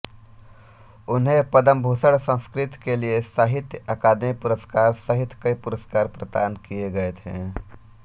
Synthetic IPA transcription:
ʊnɦẽpɐd̪əmbʱoːsəɽsə̃nskɾɪt̪keliesaːɦɪt̪jəəkaːd̪epʊɾəskaːɾsəɦɪt̪kəipʊɾəskaːɾpɾəd̪aːnkijeɡɐet̪ʰḛ̃ː

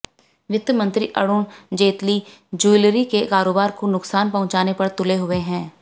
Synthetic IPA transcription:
ʋɪt̪əmə̃nt̪ɾiʔɐ̰ɽʊːɳd͡ʒeːt̪lid͡ʒuːɪlɾikekaːɾoːbaːɾkonʊksaːnpɐɦʊ̃t͡ʃaːnepɐɾt̪ʊleɦʊeɦɛ̃ː

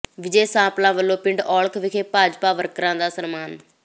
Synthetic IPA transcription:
ʋɪd͡ʒeːsãːplãːʋəlːoːpɪ̃ɳɖɔːɭkʰʋɪkʰeːpaːd͡ʒpaːʋəɾkəɾãːd̪aːsənmaːn

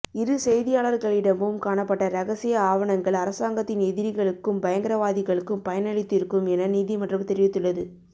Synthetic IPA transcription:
ɪɾɯsɛjðɪjaːɭɐɾɣɐɭɪɽɐmbɯmkaːɳɐpːɐʈːɐɾɐɣɐsɪjɐaːʋɐɳɐŋɡɐɭɐɾɐsaːŋɡɐt̪ːɪnɛðɪɾɪɣɐɭɯkːɯmbɐjɐŋɡɪɾɐʋaːðɪɣɐɭɯkːɯmpɐjɐnɐɭɪt̪ːɪɾɯkːɯmɛnɐniːðimɐʈrɯmt̪ɛɾɪʋɪt̪ːɯɭːɐðɯ

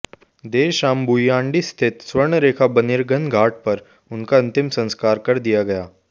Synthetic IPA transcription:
d̪eːʃaːmbujjãːɳɖist̪ʰɪt̪swəɾɳɾeːkʰabɐnɪɾɡənɡʱaːʈ̚pɐɾ | ʊnkaɐ̃nt̪ɪmsɐ̃nskaːɾkɐɾd̪ijaɡɐjaː

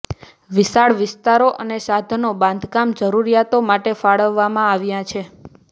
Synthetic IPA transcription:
ʋɪsaɭʋɪst̪aɾoʔənesad̪ʱnobãnd̪ʱkamd͡ʒəɾuɾijat̪omaʈefaɭəʋːamãaʋjãt͡ʃʰe

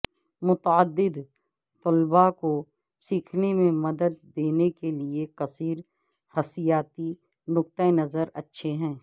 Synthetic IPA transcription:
mʊt̪əd̪ːɪd̪ | t̪ʊlbako | siːkʰnemẽmɐd̪əd̪ːeːnekeliekɐsiːɾ | hɐsɪjaːt̪i | nʊkt̪əenɐzəɾɐtːʃʰeɦɛ̃ː

